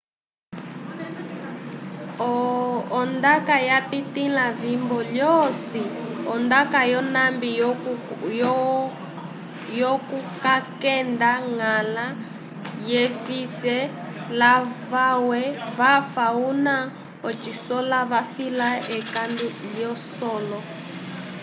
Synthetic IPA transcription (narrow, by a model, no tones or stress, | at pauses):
ɔː | ndakajapitinavimbɔljɔsiɔndakajɔnambi | jɔkukakɛndaŋala | jɛvisɛ | lavawɛβafauna | ɔt͡ʃisɔlaβafilaɛkanduljɔsɔlɔ